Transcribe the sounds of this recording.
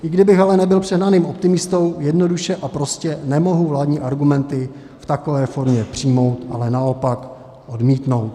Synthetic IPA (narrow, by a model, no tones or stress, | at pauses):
ʔɪɡdɪbɪxalɛnɛbɪlpr̝̥ɛɦnaniːmo̞p̚t̪ɪmɪst̪o̞wjɛdno̞duʃɛʔapɾo̞scɛnɛmo̞ɦuvlaːdɲiːʔaɾɡumɛnt̪ɪ | ft̪ako̞vɛːfo̞ɾmɲɛpr̝̥iːmo̞wt̪ʔa̰lɛnao̞pak | ʔo̞dmiːt̪no̞wt̪̚